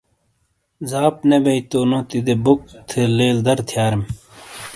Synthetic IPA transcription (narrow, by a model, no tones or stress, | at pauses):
zaːpnebɐjt̪oːnot̪id̪ebok̚t̪ʰeleːld̪ɐɾt̪ʰjaːɾim